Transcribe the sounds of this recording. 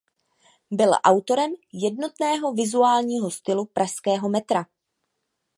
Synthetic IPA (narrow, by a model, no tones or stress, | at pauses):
bɪlʔa̰wt̪o̞ɾɛmjɛdno̞t̪nɛːɦo̞vɪzuaːlɲiːɦo̞st̪ɪlupɾʔaʃskɛːɦo̞mɛt̪ɾa